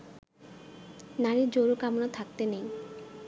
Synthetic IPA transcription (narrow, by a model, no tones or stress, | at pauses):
naɾid͡ʑoɾukamonat̪ʰak̚t̪enej